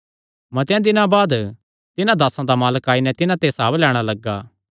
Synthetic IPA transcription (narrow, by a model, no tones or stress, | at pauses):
mɐt̪jãd̪ɪnãbaːd̪ | t̪ɪnãd̪aːsãd̪amaːləkaːinɛt̪ɪnãt̪esaːblɛːɽ̃alɐɡːaː